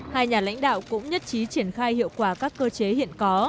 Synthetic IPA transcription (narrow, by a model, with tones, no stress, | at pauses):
haː˧jɲaː˨˩la̰˧˥jŋ̟ɗa̰ː˧˨wkʊ̰˧˥ŋ͡mɲə˦˥t̚t͡ɕi˨˦t͡ɕi˧˩ənxaː˧jhḭ˧˨əwkwaː˧˩kaː˦˥kːəː˧t͡ɕe˨˦hḭ˧˨ənkɔ˨˦